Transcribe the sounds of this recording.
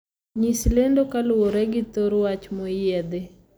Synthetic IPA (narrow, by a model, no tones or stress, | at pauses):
ɲislendokalʊwoɾɛɡɪt̪oɾwat͡ʃmojɛd̪e